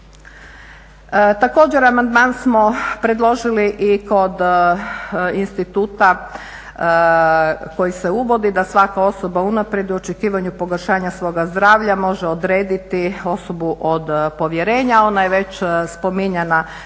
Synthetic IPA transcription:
t̪ako̞ːd͡ʑe̞ɾamand̪mansmo̞pɾe̞d̪lˠo̞ʒiliʔiko̞d̪ | inst̪it̪uːt̪a | ko̞jiseuʋo̞d̪id̪asʋakao̞so̞baunapɾje̞d̪uot͡ʃekiːʋaɲupo̞ɡoɾʃaːɲasʋo̞ːɡazd̪ɾaːʋʎamo̞ʒeod̪ɾeːd̪it̪io̞so̞buʔo̞d̪po̞ʋjeɾe̞ːɲao̞najeʋe̞t͡ɕspo̞miɲena

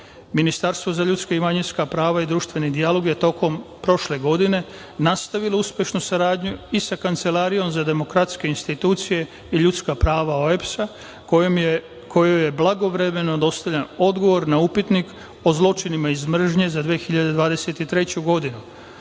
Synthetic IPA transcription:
minist̪aɾst̪ʋo̞zaʎut̪skaimaɲinskapɾaːʋaid̪ɾuːʃt̪ʋe̞nid̪ijalo̞ɡje̞t̪o̞ko̞mpɾo̞ʃle̞ɡo̞d̪ine̞ | nast̪aʋilouspje̞ʃnusaɾaːd̪ɲuisakant̪se̞laːɾijo̞mzad̪e̞mo̞kɾat̪ske̞inst̪it̪uːt̪sije̞ | iʎut̪skapɾaːʋaoepsa | kʰo̞joje̞blˠaɡo̞ʋɾe̞me̞no̞d̪o̞st̪aʋʎano̞d̪ɡo̞ʋo̞ɾnaupit̪nik | o̞zlˠo̞t͡ʃinimaizmr̩ʒɲe̞zad̪ʋiexiʎad̪e̞d̪ʋaːd̪e̞set̪it̪ɾe̞t͡ɕuɡo̞d̪inu

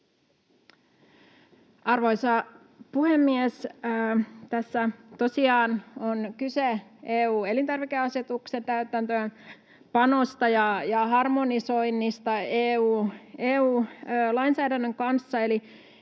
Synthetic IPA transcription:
ʔɑrʋoisɑ | puhemːies | t̪æsːæt̪osiɑːnonkyseeːuːe̞lint̪ɑrʋikeɑset̪ukse̞nt̪æyt̪ænt̪øːn | pɑno̞st̪ɑjɑjɑhɑrmo̞niso̞inːist̪ɑeːuːeːuːlɑinsæːdænːøŋkɑnsːɑeli

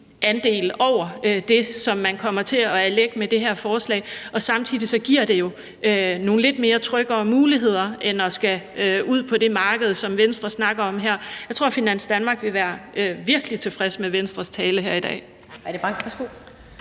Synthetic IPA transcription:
ænd̥e̝̰ːlɒʊ̰ɐød̥e̝sɒ̽mːænkʰɒ̽m̰ɐt͡sʰe̝ɒ̽æɐleɡ̥̚med̥e̝ɦæɐ̰fɒːslɛ̰ːɪʔɒ̽sɑ̈mt͡sʰið̰ˠisɒ̽ɡ̥iɐ̰d̥e̝jo̝ | øno̝ːn̩le̝d̥me̝ːɐt͡sʰʁœɡ̥ɐːmuːliɦe̝ð̞̰ˠɐenɒ̽sɡ̥æøuð̰ˠpʰɒ̽d̥e̝mɑ̈ːɡ̥əð̞̩ˠsɒ̽mʋensd̥ʁɐsnɑ̈ɡ̥ɐɒ̽mɦeɐ̰jɑ̈ɪt͡sʰʁo̝ɐ̰finæn̰sd̥ænmɑ̈ːɡ̥ʋe̝ʋæːɐøʋiɐɡ̥əlit͡sʰe̝fʁɛsmeʋensd̥ʁɐst͡sʰɛːləɦeɐ̰idɛ̰ː | æɐdeb̥ɑŋʋæsɡ̥o

